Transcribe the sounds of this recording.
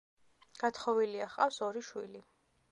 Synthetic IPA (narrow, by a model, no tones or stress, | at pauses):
ɡ̥at̪ʰχɔviliaχqʼafsɔɾiʃwili